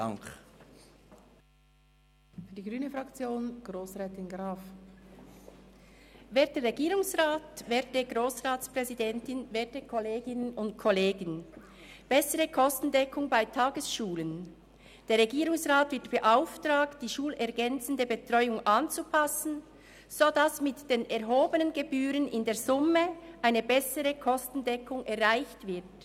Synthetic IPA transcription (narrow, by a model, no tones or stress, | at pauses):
aŋk | fyːɐdiːɡʁyːnəfʁɑkt͡sjoːnɡ̥ʁoːsʁɛːtɪnɡɾaːf | vɛːɐtəʁeɡiːʁʊŋsʁaːtvɛːɐt̚əɡʁoːsʁaːtt͡spʁ̥ɛzidɛntɪnvɛːɐtəkʰɔleːɡɪnənʊnt̚kʰɔleːɡən | b̥ɛsəʁəkʰɔstn̩dɛkʰʊŋbaɪtʰaːɡəsʃuːlən | d̥eːʁeɛɡiːʁʊŋsʁaːtvɪɐtb̥əʔaʊftʁaːkt̚d̥iːʃuːlɛʁɡɛnt͡sən̩dəbətʁ̥ɔʏʊŋʔɑnt͡supʰasn̩ | z̥odasmɪtd̥eːnɛʁɦoːbənənɡəbyːʁənɪndeːɐzʊməʔaɪnəbɛsəʁəkʰɔstn̩dɛkʰʊŋɛɐʁʁaɪçtv̥ɪɐt